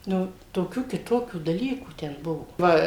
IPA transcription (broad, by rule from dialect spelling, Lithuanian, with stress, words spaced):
ˈnʊ toːˈkʲuː kʲɪˈtoːkʲuː dɐˈlʲiːkuː ˈtʲɛn ˈbʊʋoː ˈʋɐ